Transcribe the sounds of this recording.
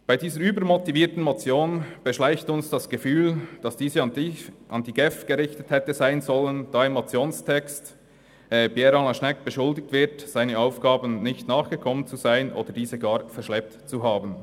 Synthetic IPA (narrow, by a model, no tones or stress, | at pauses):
b̥aɪdiːzəɾyːbəɾmɔtiviːtn̩mot͡sjoːnb̥əʃlaɪçtʊnsd̥ɑsɡ̥əfyːld̥ɑsd̥iːzəʔɑndiɡ̥ɛfɡ̥əɾɪçtəthɛtəzaɪnzɔlənd̥ɑːɪmːot͡sjoːnstʰɛkst | ɛbjɛɾɑlɑʃnɛkb̥əʃʊldɪk̚tv̥ɪtz̥aɪnəaʊfɡ̥ɑːbənnɪçtnɑːχɡ̥əkʰɔmənt͡suzaɪənʔo̰ːdəd̥iːzəɡɑːɾfɛɾʃlɛp̚tt͡suɦaːbən